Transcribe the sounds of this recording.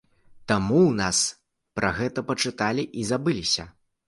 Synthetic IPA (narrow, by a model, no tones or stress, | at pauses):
t̪amuwnas | pɾʔaɣɛt̪ɐpɐt͡ʂɨt̪alʲiʔizabɨlʲisʲɐ